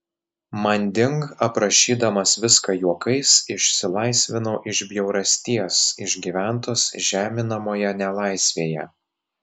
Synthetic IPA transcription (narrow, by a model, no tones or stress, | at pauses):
mɐnʲd̪ʲɪŋkɐpɾɐʃʲiːd̪ɐmɐsʋʲɪskɐjuɔkɐɪsɪʃʲsʲɪlˠɐɪsʲʋʲɪnoːʔɪʒʲbʲjɛʊɾɐsʲt̪ʲiɛsɪʒʲɡʲiʋʲæˑnt̪oːsʒʲæːmʲɪnɐmoːjɛnʲɛlˠɐɪsʲʋʲeːjɛ̰